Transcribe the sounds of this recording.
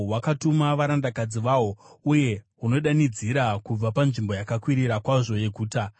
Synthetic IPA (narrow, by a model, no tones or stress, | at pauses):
wakatumaʋaɾandakad͡ziʋawo̞uje̞ɦuno̞ɗanid͡ziɾakub͡vapanʐimbo̞jakakwiɾiɾakwaʐo̞je̞ɡʱuːta